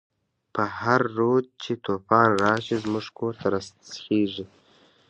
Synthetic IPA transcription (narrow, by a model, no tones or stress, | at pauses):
pəhaɾːod̪̚t͡ʃet̪ʰopɑːnɾɑːʃizmʊʐkʰoɾt̪ʰaɾassxeːʐi